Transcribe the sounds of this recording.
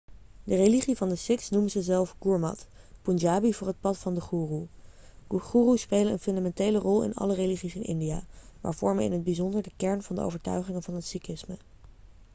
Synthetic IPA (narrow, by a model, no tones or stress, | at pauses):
dəreliχivɑndəsɪksnuməzəzɛlˠfɡuɹmɑ̰t | pund͡ʒaːbivʊːɹɦət̚pɑtfɑndəχuːru | χuːruspejlənənfɵndamɛntejlərɔlˠɪ̰nɑ̰ləreliχisɪnʔɪ̰ndija̰ːmʔa̰ːɹv̥ɔɹməɪ̰nɦəd̚bizɔndəɹdəkɛɹnvɑndə̰ʔo̰wvəɹtœ̰ɥχɪŋənvɑnɦətsikɪsmə